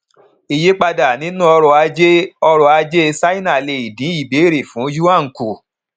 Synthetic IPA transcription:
i˨je˦k͡pa˧da˨nĩ˨˦nũ˦ɔ˧ɾɔ˧a˧d͡ʒe˦ɔ˧ɾɔ˧˨a˧d͡ʒe˦˧sa˦i˦nã˨le˨i˨dĩ˨˦i˦˨be˨˦˨ɾe˨fũ˨˦ju˦ã˦˨ku˨

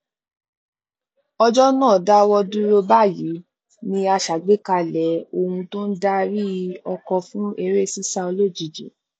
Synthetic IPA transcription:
ɔ˧d͡ʒɔ˦nãː˦˨da˦wɔ˧du˦ɾo˦ba˦˨ji˨˦ | nĩ˧a˧ʃa˨ɡ͡be˨˦ka˧lɛ˨˦o˧hũ˧to˦n̩˦da˦ɾi˦ɔ˧kɔ˧fũ˦e˧ɾe˦˨si˦sa˧o˧lo˦˨d͡ʒi˨d͡ʒḛ˨

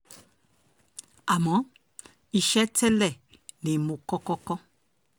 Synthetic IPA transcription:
a˨mɔ˨˦ | i˨ʃɛ˦tʰɛ˦lɛ˦˨ | ne˨mo˨kɔ˦kɔ˦kɔ˦

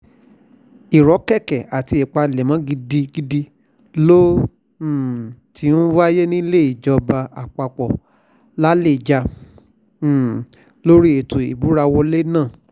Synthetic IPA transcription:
i˨ɾɔ˨˦kɛ˦˨kɛ˨a˨ti˧˦e˨k͡pa˧˨le˨mã˨˦ɡi˧di˧ɡi˧di˧ | lo˦˨ | ti˧˦nu˦wa˦je˦nĩ˦le˦˨i˨d͡ʒɔ˧ba˧a̰˨k͡pa˧k͡pɔ˨ | la˦le˦˨d͡ʒa˧˦˨ | lo˦ɾi˦e˨tuo˨ḭ˨bu˨˦ɾa˧wɔ˧le˦nãː˦˨

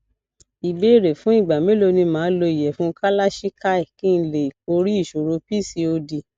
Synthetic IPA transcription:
i˨be˨˦i˦˨ɾe˨fũ˨˦i˦˨ɡ͡ba˨mẽ˨˦lo˧nĩ˧mãː˨˦lo˧i˨jɛ˨fũ˦ka˦la˦ʃi˦ka˦i˨ki˦n̩˦le˨ko˧ɾi˦i˦˨ʃo˨ɾo˨˧pi˦˨si˧o˧di˧

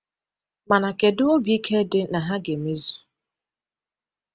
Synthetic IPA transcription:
ma˨na˨ke˨dʊ˦o˦bi˦kʰe˦dɪ˦na˨ɦa˦ɡe˨me˦zu̥˨

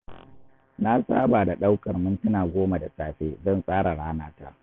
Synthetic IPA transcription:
na˦sa̰ː˦baː˨da˨ɗa˦wkɐ˨rmʊ˦ntʊ˦naː˨ɡʷoː˦ma˨da˨sʼaː˨ɸeː˦zɐ˦˨nsʼaː˦ɽa˨ɽaː˦naː˦ta˦ʔ

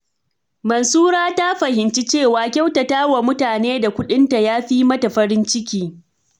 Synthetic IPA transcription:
mɐ˨nsuː˦ɾaː˦ta˦ɸɐ˨hɪ˨nt͡ʃi˦t͡ʃeː˦˨waː˨kʲa˦wta˨taː˦wa˨mʊ˦taː˨neː˦da˨kʷʊ˦ɗɪ˦nta˨jaː˦ɸiː˦mɐ˦ta˨ɸɐ˦ɾɪ˦nt͡ʃɪ˦kʲiː˨

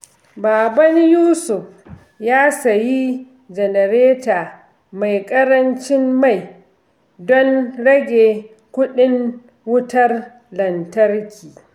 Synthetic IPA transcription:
baː˨bɐ˦njuː˦sʊ˨f | jaː˦sɐ˨ji˦ | d͡ʒɛ˨nɐ˨ɾeː˦taː˨ | ma˨jkʼɐ˦ɾɐ˦nt͡ʃɪ˦mːa˦˨j | dɔ˦nɽɐ˦ɡʲeː˨ | kʷʊ˦ɗɪ˦ŋ | wʊ˦tɐ˦r | lɐ˨ntɐ˦rkʲiː˨

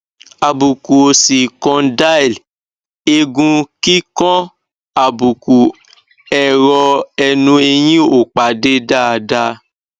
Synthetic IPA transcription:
a˨bu˨ku˨si˨kɔ̃˧da˦i˨l | e˧ɡũ˧ki˦kɔ̃˦ | a˨bu˨ku˨ | ɛ˨ɾɔ˧ɛ˧nũ˧e˧j̃ĩ˦o˨k͡pa˨˦de˦da˦a˧da˧

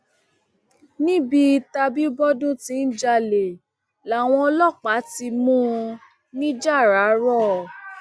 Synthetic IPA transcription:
nĩ˦bi˧ta˧bi˦bɔ˦dũ˦tĩ˧˦n̩˦d͡ʒa˧le˨ | la˨˦˨w̃ɔ̃˧ɔ˧lɔ˦˨k͡pa˨˦ti˧mũ˦˧ | nĩ˦d͡ʒa˦˨ɾa˨˦ɾɔ˦˨

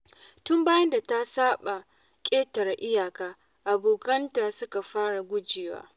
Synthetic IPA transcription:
tʊ˦mbaː˦jɐ˦nda˨ta˦saː˦ɓa˨ | kʲʼeː˦tɐ˨ɾa˨ʔɪ˦jaː˨kaː˦ | ʔa˨boː˨kɐ˦ntaː˨sʊ˦ka˨ɸaː˦ɽa˨ɡʷʊ˦d͡ʒeː˨wa̰ː˦

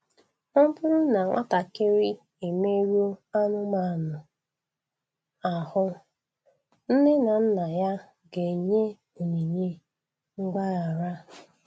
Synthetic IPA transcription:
ʊ˦m˦bʊ˦ɾʊ˦na˨ŋʷʔa̰˦ta˨ke˦ɾi˦ | e˨me˦ɾi˦o˦a˦nʊ˦ma˦˨nʊ˨ | a˨hʊ˦ | n̩˦ne˦na˨n̩˦na˨ja˦ | ɡe˨ɲe˦ | o˨ɲe˨ɲe˦ | ŋ̩˦ɡ͡ba˦a˨ɾa˦

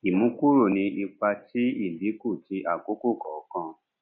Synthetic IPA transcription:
i˨mũ˨˦ku˦ɾo˦˨nĩ˧i˧k͡pa˧ti˦i˦˨li˨˦ko˦˨ti˧ʔa˨ko˨˦ko˦˨kɔ˨˦kã˧

